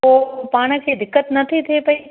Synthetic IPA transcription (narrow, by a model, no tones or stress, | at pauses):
opaːɽ̃ə̆kʰed̪ɪkːət̪nɐt̪ʰit̪ʰepɐi